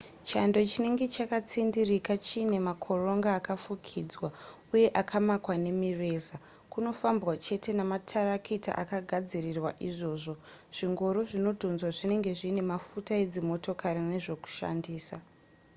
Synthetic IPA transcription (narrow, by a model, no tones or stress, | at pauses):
t͡ʃando̞t͡ʃine̞ŋɡe̞t͡ʃakat͡sindirikat͡ʃiːne̞makʰo̞ro̞ŋɡaːkafukʰid͡zwa | uje̞ʔakʰamakwane̞mire̞ːza | kuno̞fambɣwat͡ʃe̞tʰe̞namatʰarakʰita̰ʔa̰kaɡʱad͡zirirwaʔiʐo̞ːʐo̞ʐ̥iŋɡo̞ɾoʐino̞dʱonzwaʐine̞ŋɡe̞ʐiːne̞mafutae̞d͡zimo̞tʰo̞kʰarine̞ʐo̞ku̥ʃa̰ndiːsa